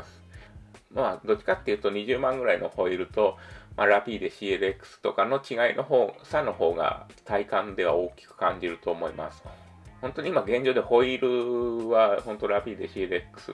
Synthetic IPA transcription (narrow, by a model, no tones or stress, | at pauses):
sɨ̥mad̪o̞t͡ɕi̥kat̪ːe̞jɯ̟ːt̪oɲ̟iʑɨːmãŋɡɯ̟ɾaino̞ho̞iɾɯ̟t̪o̞mʔaɾapʲiːd̪e̞ɕiːeɾekːɯ̥sɨ̥t̪o̞kano̞t͡ɕiɡainʔo̞ɦo̞ːsano̞ho̞ːɡa̰t̪aikãnd̪e̞β̞a̰o̞ːkʲi̥kɯ̟̥kãɲ̟d͡ʑiɾɯ̟t̪o̞ːmo̞ima̰sɨ̥ | hõ̞nt̪o̞ɲ̟imaɡẽ̞ɲ̟d͡ʑo̞ːd̪eho̞iɾɯ̟βahõ̞nt̪o̞ɾapʲiːd̪e̞ɕiːeɾekːɯ̥sɨ̰